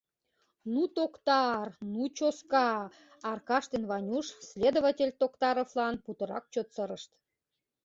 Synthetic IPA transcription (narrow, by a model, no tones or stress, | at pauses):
nut̪okt̪ɑrnut͡ɕoskɑ | ɑrkɑʃt̪envɑnʲuʃsʲlʲed̪ovətʲelʲt̪okt̪ɑɾoflɑnput̪ɤ̆ɾɑ̰k̚t͡ɕot̪səɾəʃt̪